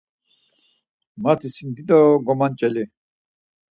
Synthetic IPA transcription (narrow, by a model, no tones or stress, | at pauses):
mat̪ʰisind̪id̪ɔɡɔmant͡ʃʼɛli